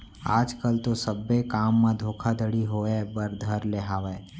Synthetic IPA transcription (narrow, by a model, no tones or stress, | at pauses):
aːd͡ʒkəlt̪osəbːekaːmːãd̪ʱoːkʰad̪ʱəɽiɦoɛbəɾd̪ʱəɾleɦaːʋɛ